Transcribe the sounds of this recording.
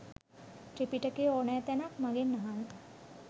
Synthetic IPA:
ʈepiʈəkeɔɳjat̪ɛnakmaɡenːaɦan

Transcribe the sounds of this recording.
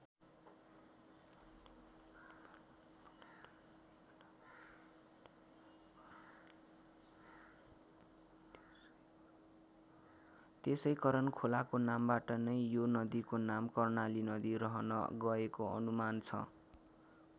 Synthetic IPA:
t̪esʌjkʌɾʌnkʰolakonambaʈʌnʌjjonʌd̪ikonamkʌrnalinʌd̪irʌɦʌnʌ̰ɡʌekoʌ̰numant͡sʰʌ̰

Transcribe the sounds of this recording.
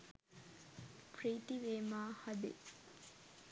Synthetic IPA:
pɾiːt̪iʋeːmaːhɐd̪ḛ

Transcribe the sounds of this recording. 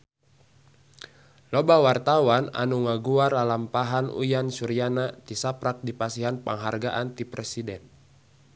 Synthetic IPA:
lɔbawart̪awana̰nuŋaɡuaralampaɦanṵjansuɾianat̪isapɾak̚dipasiɦanpa̰ŋɦarɡaʔant̪ipɾɛsidɛn

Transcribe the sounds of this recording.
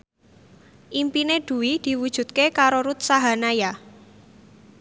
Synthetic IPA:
ʔimpineɖ̪̥ṳwid̪̥i̤wud̥ʒ̥ṳd̪̚kekaɾoɾut̪̚saɦanaja

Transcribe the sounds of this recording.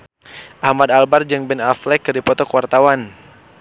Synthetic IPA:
ʔahmad̪albard͡ʒɨŋbɛnaflɛkːɨrdipɔt̪ɔkwart̪awan

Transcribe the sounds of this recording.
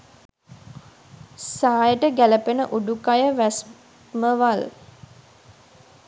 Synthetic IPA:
saːjəʈəɡæləpenəʔuɖukajəʋæs | məʋal

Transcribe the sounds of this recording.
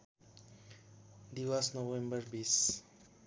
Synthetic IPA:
d̪iwasnowɛ̃mbərbis

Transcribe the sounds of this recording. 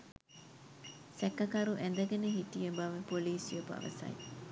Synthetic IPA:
sɛkɐkɐɾuʔend̪ɐɡeneɦiʈijebɐʋɐpoliːsijɐpɐ̰ʋɐ̰sɐ̰j̰

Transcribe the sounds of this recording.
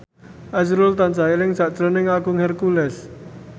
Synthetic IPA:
ʔasɾʊlt̪ant͡ʃailɪŋsaʔt͡ʃɾonɪŋaɡʊŋhɛrkulɛs

